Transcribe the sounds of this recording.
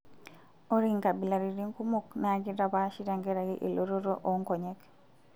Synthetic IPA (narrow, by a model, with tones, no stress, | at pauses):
o˦ɾi˦ŋka˨bi˨la˨ɾiɾi˦ŋku˦muknɛ˦aɡi˦ɾa˨ba˦ʃi˦ɾa˨ŋɡɛ˦ɾa˨ɡi˦ʔe˨lo˦ɾo˦ɾo˦ʔoŋkɔ˨ɲɛ˦k